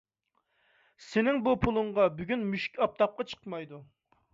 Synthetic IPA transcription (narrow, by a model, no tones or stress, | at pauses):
sɪnɪŋbupʰulˠɨɴʁɑbyɡʲynmyʃi̥kʲɑp̚t̪ʰɑp̚qɑt͡ʃʰə̥qmɑjd̪u